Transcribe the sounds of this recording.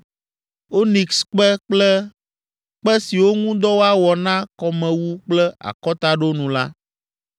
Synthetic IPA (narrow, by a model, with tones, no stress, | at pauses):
o˦nĩ˨ksk͡pɛ˦k͡plɛ˦ | k͡pɛ˦si˨wo˦ŋũ˦d̪ɔ˦wo˦a˦wɔ˨nã˦kɔ˨mɛ̃˨wu˦k͡plɛ˦a̰˨kɔ˦t̪a˦ɖo˦nũ˨la˦